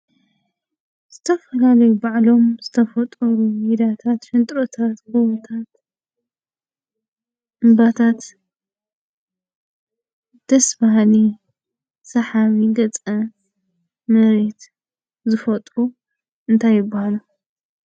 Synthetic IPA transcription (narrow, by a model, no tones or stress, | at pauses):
z̥ɨt̪ʰɐfɐlalɐjubaʕlo̞mzɨt̪ʰɐfɐt̪ʼɐɾumid̪at̪ʰat̪fɨnt̪ʼɾot̪ʰat̪kowɐt̪ʰat̪ | ʔɨmbat̪ʰat̪ | d̪̥ɐsbahli | sɐħaβiɡɐt͡sʼɐ | mɨɾet̪ | zɨfɐt̪ʼɾu | ʔɨnt̪ʰajːɪbːahalu